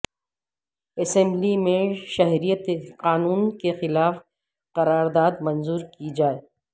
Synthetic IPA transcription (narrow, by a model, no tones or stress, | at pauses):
ɛsɛ̃mblimẽʃɐɦɾijət̪eqaːnuːnkexɪlaːf | qɐɾaːɾd̪aːd̪mɐ̃nzuːɾkid͡ʒaːeː